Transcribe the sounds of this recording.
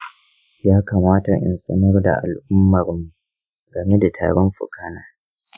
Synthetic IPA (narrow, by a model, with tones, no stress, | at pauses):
jaː˦kaː˨maː˦ta˨ʔɪ̰˨nsʼɐ̰˦nɐ˦rda̰˨ʔa̰˨lʔʊ˦mːɐ˨ɾmːu˨ | ɡɐ˨me˦da˨tʰa̰ː˨ɽɔ˦mɸʊ̰˨kaː˦naː˨